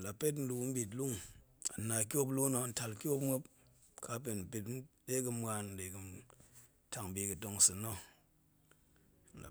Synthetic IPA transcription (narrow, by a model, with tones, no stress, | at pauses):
la˨pe˦t̬n̩˦lu˨km̩˦bi˨t̬lu˦ŋa̰˨na˨ki˦o˦blu˦no˧n̩˦ta˨lkʲo˦pmʷo˦p | ka˦p̬e˨m̩˨pi˨t̩˦de˦k̬ɨ˧˦mwa˧n̩˦de˨kɨ˨ | ta˨ŋ˨bi˦kɨ˨to˧ŋ˨sɨ˨no˦ | n̩˨la̰˨